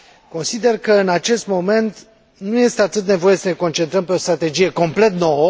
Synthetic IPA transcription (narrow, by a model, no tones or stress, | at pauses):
ko̞nsid̪e̞rkəɨnat͡ʃe̞st̪mo̞me̞nt̪ | nuje̞st̪eat̪ɨt̪ne̞vo̞je̞səne̞ko̞nt͡ʃent̪ɾəmpe̞o̞st̪ɾat̪e̞d͡ʒije̞ko̞mple̞t̪no̞wə